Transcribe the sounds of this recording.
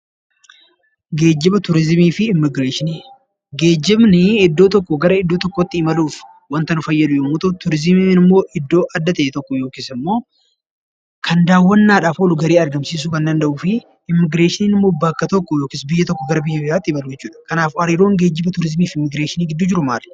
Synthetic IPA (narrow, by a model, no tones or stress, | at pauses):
ɡe̞ːd͡ʒːɪbɐt̪ʊɾɪzmiːfɪɪmːɪɡɾeːʃɪniː | ɡe̞ːd͡ʒːɪbnɪɪd̪ːo̞ːt̪ɔkːɔɡɐɾɐɪd̪ːoːt̪ɔkːot̪ːɪːmɐluːf | wɐnt̪ɐnʊfɐjːɐd̪ʊjoːmʊt̪ɐt̪ʊɾɪzɪminɪmːo̞ːʔɪd̪ːo̞ːʔɐd̪ːɐt̪ɐʔɛt̪ɔkːɔjo̞ːkɪsɪmːo̞ː | kʰɐnd̪aːwːɐnːaːᶑaːfoːlʊɡɐɾeːɐɾd̪ɐmsiːs̬uːkɐnd̪ɐnd̪ɐʔuːfɪ | ɪmːɪɡɾeːʃɪniːnɪmːoːbɐkːɐt̪ɔkːɔjo̞ːkɪːsbɪjːɐt̪ɔkːɔɡɐɾɐbɪjːɐbɪɾaːt̪ːɪmɐlʊd͡ʒɛt͡ʃːuːᶑɐ̥kɐnaːfɐɾiːɾo̞ːŋɡe̞ːd͡ʒːɪbɐt̪ʊɾɪzmiːfɪmːɪɡɾeːʃɪniːɡɪd̪ːʊd͡ʒɪɾʊmaːl